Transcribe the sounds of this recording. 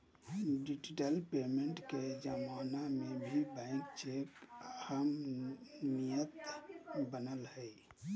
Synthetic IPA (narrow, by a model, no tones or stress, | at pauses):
ɖid͡ʒiʈəlpemeɳʈked͡ʒəmanamebʱibãɪ̃k̚t͡ʃekhəm | nijət̪bənəlɦəj